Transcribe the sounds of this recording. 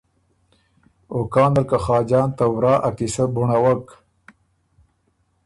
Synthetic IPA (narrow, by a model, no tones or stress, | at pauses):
okɑːnalkaχɑːd͡ʒɑːnt̪awɾɑːʔakisabuɳawak